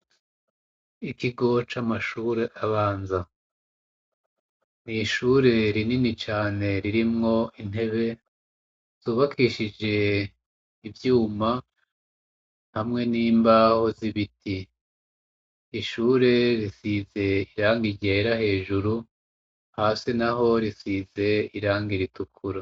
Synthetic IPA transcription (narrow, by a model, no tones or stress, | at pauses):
ikiɡo̞t͡ʃamaʃuːɾe̞ʔaβaːnza | niʃuɾe̞ɾininit͡ʃaːne̞ɾiɾimŋo̞in̥e̞βe̞ | z̥uːβakʰiʃid͡ʒe̞ː | vjuːma | hamŋe̞niːmbaho̞ziβiti | ʃuːɾe̞ɾisize̞iɾaːŋɡiɟe̞ɾahe̞ːʒuɾu | haːsinaɦo̞ɾisize̞iɾaːŋɡiɾitukʰuɾa